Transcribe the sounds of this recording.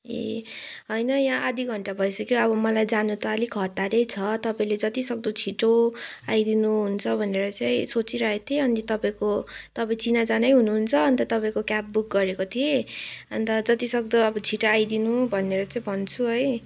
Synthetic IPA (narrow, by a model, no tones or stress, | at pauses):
ḛ | ɦʌjnʌjãʔad̪iɡʱʌɳʈabʱʌjsʌkjoʌbʌmʌlajd͡zanut̪ʌːlikʰʌt̪aɾejt͡sʰʌt̪ʌpãĩled͡zʌt̪isʌk̚d̪ot͡sʰiʈoajd̪inuɦunt͡sʰʌbʱʌneɾʌt͡saĩsot͡siɾʌɦet̪ʰieʌnit̪ʌpaĩkot̪ʌpaĩt͡sinad͡zanʌjɦunuɦunt͡sʰʌːnt̪ʌt̪ʌpãĩkokjap̚buk̚ɡʌɾekot̪ʰieʌ̰nt̪ʌd͡zʌt̪isʌk̚d̪ʌʌbʌt͡sʰiʈoajd̪inubʱʌnːeɾʌt͡saĩbʱʌnt͡sʰuɦʌj